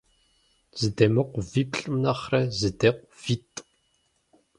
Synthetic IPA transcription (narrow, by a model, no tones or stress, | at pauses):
z̥ɨd̪eːmɨqʷvipɬʼɨmnɐχrɐzɨdeːqʷv̥iːtʼ